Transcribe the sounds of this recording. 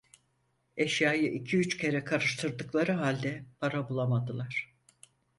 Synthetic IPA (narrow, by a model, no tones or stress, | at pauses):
eʃjaːjɯʔicʰiyt͡ʃcʰe̞ɾɛkʰaɾɯʃt̪ʰɯɾd̪ɯklˠaɾɯɦalʲd̪ɛpʰaɾabulˠamad̪ɯlˠaɾ̥